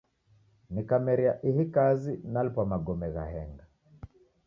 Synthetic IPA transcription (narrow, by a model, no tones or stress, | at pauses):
nikamɛɾiaʔihikazinalpwamaɡɔmɛɣa̰ɦɛŋɡa